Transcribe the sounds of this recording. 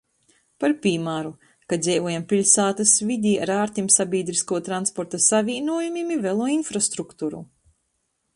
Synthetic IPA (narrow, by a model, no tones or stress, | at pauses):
paɾpʲiːmaɾu | kad̪zʲɛjvuɔjampʲilʲsaːt̪asvid̪ʲiːa̰ɾaːɾt̪ʲimsabʲiːd̪ɾiskuɔt̪ɾanspɔɾt̪asavʲiːnuɔjumimivɛlˠuɔinfɾast̪ɾukt̪uːɾṵ